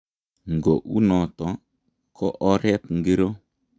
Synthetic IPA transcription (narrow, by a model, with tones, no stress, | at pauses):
ŋ˨ɡo˨ʔu˦nɔ˨tɔ˨˦ | kʰɔ˦ʔɔ˦ɾɛ˦pŋɡe˦ɾo˦